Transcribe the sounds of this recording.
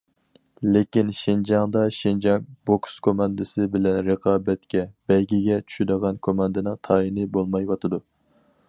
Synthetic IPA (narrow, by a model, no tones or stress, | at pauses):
lekʲinʃind͡ʒɑŋd̪ɑʃind͡ʒɑŋbokskʰomɑnd̪ɨsɪbɪlɛnɾəqʰɑːbɛt̪kʲɛb̥ɛjɡʲiɡʲɛt͡ʃʰy̥ʃyd̪əʁɑnkʰomɑnd̪ɨnɨŋt̪ʰɑːinɨbolˠmɑjwɑt̪ʰɨd̪u